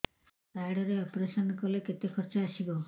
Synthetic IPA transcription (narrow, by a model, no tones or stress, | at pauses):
ajɽɔɾeɔpɾesɔnkɔleket̪ekʰɔɾt͡ʃɔasibɔ